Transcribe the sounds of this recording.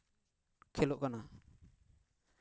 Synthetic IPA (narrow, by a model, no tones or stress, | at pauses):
kʰɛlɔʔkana